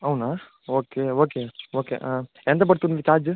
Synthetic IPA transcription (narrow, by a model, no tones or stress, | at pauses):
ɐwnaː | oːkeoːkeoːkḛʔa | ent̪ɐp̬ɐɽt̪unʋ̪ikaːd͡ʒ